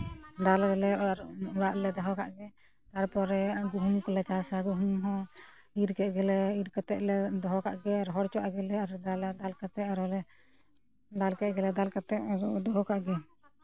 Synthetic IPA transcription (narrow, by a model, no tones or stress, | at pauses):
d̪alɡɛlɛaɾɾaʔlɛd̪ɔɦɔkaʔɡɛ | t̪aɾpɔɾɛɡuɦumkɔlɛt͡ʃasaɡuɦumɦɔ̃ | iɾkɛʔɡɛlɛiɾkat̪ɛʔlɛd̪ɔɦɔkaʔɡɛaɾɦɔɾt͡ʃɔʔaɡɛlɛaɾd̪ad̪alkat̪ɛʔaɾɔlɛ | d̪alkɛʔ̪̚ɡɛlɛd̪alkat̪ɛʔud̪ɔɦɔkaʔɡɛ